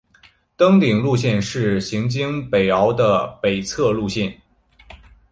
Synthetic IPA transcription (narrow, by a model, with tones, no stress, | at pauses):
t̪ɤ˥ŋt̪i˨˩ŋlu˥˧ɕjɛ˥˧nʂɻ̩˥˩ɕi˧˥ŋt͡ɕi˥ŋpe˨˩ɪɑ˧˥ʊd̪ə˧pe˨˩ɪt͡sʰɤ˥˧lu˥˧ɕjɛ˥˩n